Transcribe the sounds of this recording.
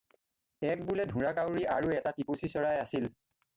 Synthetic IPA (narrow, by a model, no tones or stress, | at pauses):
ɛk̚bulɛdʱũɹakawɹiʔaɹuɛtatipusisɔɹajasil